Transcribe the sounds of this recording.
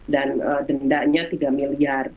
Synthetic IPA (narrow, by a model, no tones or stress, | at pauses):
danədəndaʔɲat̪idaʔmiliar